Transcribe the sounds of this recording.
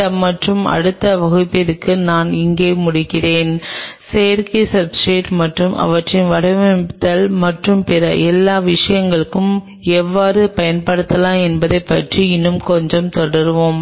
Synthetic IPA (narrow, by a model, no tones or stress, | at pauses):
ɐmɐʈrɯmɐ̰ɽɯt̪ːɐʋɐɣɯt̪ːɪɾɯkːɯnaːnɪŋɡeːmʊɽɪkːɪreːnsejɐɾkɐsɐbsʈeːʈmɐʈrɯmʔɐ̰ʋɐʈrɪnʋɐɽɐʋɐt̪ɐlmɐʈrɯmpɪɾɐʔɛlːaːʋɪʂɐjɐŋɡɐɭɯkːɯm | ɛʋːaːɾɯpɐjɐnpɐɽɯt̪ːɐlãːɛnbɐðɐɪpːɐʈriɪnːɯmkɔɲd͡ʒɔmt̪ɔɽɐɾʋom